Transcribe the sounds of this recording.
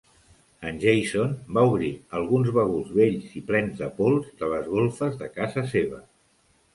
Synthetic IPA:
ənʲʒejsonbauβ̞ɾiəlˠɣunzβəɣuzβeʎziplɛnzðəpolˠzd̪ələzɣolˠfəzðəkazəseβə

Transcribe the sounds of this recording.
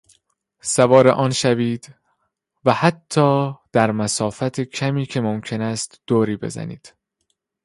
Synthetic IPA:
sævɒːɾḛʔɒːnʃæviːd̪̥ | væhæt̪ʰːɒːd̪̥æɾmæsɒːfæt̪ʰecʰæmiːcʰe̞momcʰe̞næst̪d̪̥oːɾiːbe̞̰zæ̰nḭːd̪̥

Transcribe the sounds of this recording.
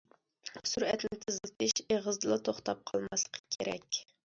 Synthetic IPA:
suɾɛt̪lɪnt̪ʰɪzɨlˠt̪ʰɪʃeʁəzd̪ɨlˠɑt̪ʰoχt̪ɑp̚qʰɑlˠmɑslˠə̥qʰə̥kʲʰeɾɛ̰kʲ

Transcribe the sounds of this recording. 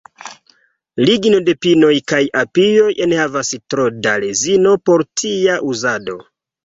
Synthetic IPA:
liɡno̞de̞pino̞jkajapijo̞jʔenhavastɾodale̞zino̞po̞ɾtʰiaʔuzado̞̰

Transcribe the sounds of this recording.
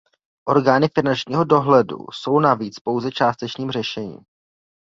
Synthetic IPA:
ʔo̞ɾɡaːnɪfɪnant͡ʃɲiːɦo̞do̞ɦlɛdṵso̞wnaviːt͡spo̞wzɛt͡ʃaːst̪ɛt͡ʃɲiːmr̝ɛʃɛɲḭːm

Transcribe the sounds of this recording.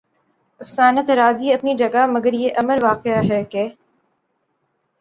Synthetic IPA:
ɐfsaːnət̪ɾaːziɐpnid͡ʒɐɡamɐɡəɾjeʔɐməɾʋaːqeaɦɛːkeː

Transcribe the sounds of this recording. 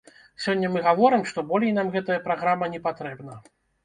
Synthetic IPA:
sʲɔnʲːɐmɨɣavɔɾɨmʂt̪ɔbɔlʲɛjnamɣɛt̪ɐjɐpɾaɣɾamɐnʲɛpat̪ɾɛbnɐ

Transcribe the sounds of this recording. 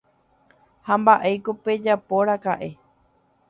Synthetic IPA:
hambaʔejkope̞d͡ʒapo̞ɾakaʔe̞

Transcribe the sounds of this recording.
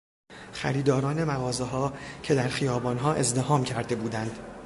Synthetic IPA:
xæ̰ɾiːd̪ɒːɾɒːne̞mæɣɒːzeɦɒːcʰe̞d̪æɾxijɒːbɒːnɦɒːʔe̞zd̪e̞hɒːmcʰæɾd̪e̞buːd̪ænd̪̥

